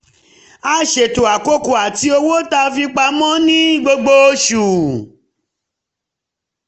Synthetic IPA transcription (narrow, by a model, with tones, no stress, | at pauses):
a˦˨ʃe˨to˨a˨ko˦ko˨a˨ti˧o˧wo˦ta˧˦fi˧k͡pa˧˦mɔ̃˦nĩ˦ɡ͡bo˧ɡ͡bo˧˦ʃu˨